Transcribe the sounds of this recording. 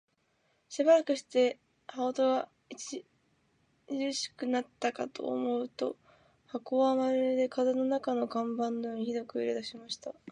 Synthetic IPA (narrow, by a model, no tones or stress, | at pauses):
ɕibaɾakɯ̟ɕi̥t̪e̞ | haot̪o̞ɡa | it͡ɕi | ɯɕi̥kɯ̟nat̪ːakat̪o̞̰ːmo̞ɯ̟t̪o̞̰ | hako̞amaɾed̪e̞kazeno̞nakano̞ɡãmbãnːojoːɲ̟içid̪o̞kɯ̟ḭɾe̞d̪aɕimaɕi̥t̪a